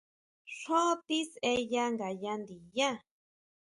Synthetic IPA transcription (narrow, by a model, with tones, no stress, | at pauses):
ɬo˦t̪i˦se˦ja˦ŋɡa˨ja˦nd̪i˨ja˦